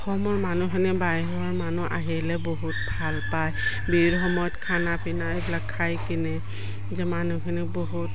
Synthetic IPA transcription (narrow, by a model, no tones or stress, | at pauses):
xɔmɔɹmanukʰinibajɦɔɔɹmanuʔa̰ɦilɛboɦutbʱalpaj | biɹxɔmɔjɔtkʰanapʰinaejbilakʰːajkinɛ | zɛmanukʰiniboɦut